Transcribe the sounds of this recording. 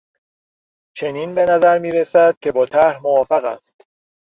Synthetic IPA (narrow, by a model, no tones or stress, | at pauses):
t͡ʃʰe̞niːnbe̞næzæɾmiːɾesæd̪̥̚cʲʰe̞bɒːt̪ʰæɾhmovɒːfæɣæ̰st̪